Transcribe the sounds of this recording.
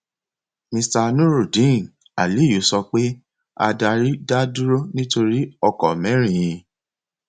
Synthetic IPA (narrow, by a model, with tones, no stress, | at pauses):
mĩ˧sta˧nũ˦ɾu˦˨dĩ˨˦˨ | a˨li˨˦˨jo˨˦sɔ˧k͡pe˦ | a̰˧da˧ɾi˦da˦du˦ɾo˦nĩ˦to˧ɾi˦ɔ˧kɔ˨mɛ̃˨˦ɾ̃ĩ˨j̃ĩ˧